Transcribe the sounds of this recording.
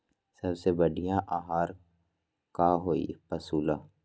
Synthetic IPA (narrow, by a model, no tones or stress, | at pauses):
sɐbsebɐɖʱijãʔaːɦaːɾ | kaɦoːḭpɐsuːla